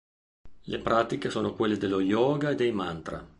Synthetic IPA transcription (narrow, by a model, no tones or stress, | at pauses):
lepɾaːt̪ikesoːnokwelːed̪elːojɔːɡaed̪ejmant̪ɾa̰